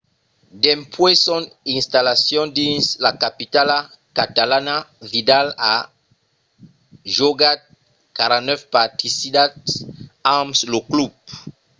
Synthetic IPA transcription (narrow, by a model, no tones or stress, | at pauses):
d̪ɛ̃mpʰwesɔ̃nĩnst̪alasjɔ̃dĩnslakapit̪ala | kat̪alanavidala | ʒoɡat̚ | kaɾãnɛfpat̪ʰisidatamsloklup̚